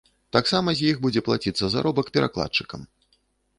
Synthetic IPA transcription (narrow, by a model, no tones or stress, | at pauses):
t̪aksamɐzʲjixbud͡zʲɛplˠat͡sʲit̪sːɐzaɾʔɔbɐkpʲɛɾʔa̰klˠa̰t̚t͡ʂɨ̥kɐm